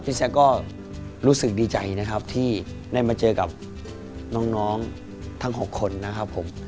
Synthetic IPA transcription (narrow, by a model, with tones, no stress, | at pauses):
pʰi˦˥sɛ˦˥kɔː˥˩ | ɾuː˦˥sɯ˨˩k̚diː˧t͡ɕa˨˩jna˦˥kʰa˦˥p̚t̪ʰiː˥˩ | da˥˩jmaː˧t͡ɕɤː˧ka˨˩p̚ | nɔː˦˥ŋnɔː˦˥ŋ | t̪ʰa˥˩ŋɦo˨˩kʰːo˧nːa˦˥kʰa˦˥pʰːo˩˦m